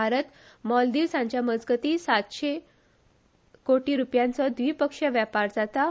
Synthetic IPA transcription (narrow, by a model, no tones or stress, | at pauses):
aɾət̪mɔld̪iʋsãɲt͡ɕjaməd͡zɡət̪iːsat̪ɕe | koʈiːɾupjãnt͡sɔd̪ʋiːpəkʂəʋjapaɾd͡zat̪a